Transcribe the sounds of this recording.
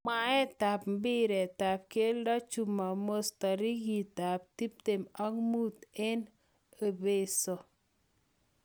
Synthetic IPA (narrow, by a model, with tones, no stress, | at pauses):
ma˦ɛ˦ta˨pm˦bɪ˦ɾɛ˨ta˨p̚ke˦lda˦t͡ʃu˨ma˨mo˦sta˨ɾi˦ɡi˨ta˨p̚ti˦p̚te˨ma˦ŋmu˦t̪ɛ˦n | e˨be˦˨sɔ˨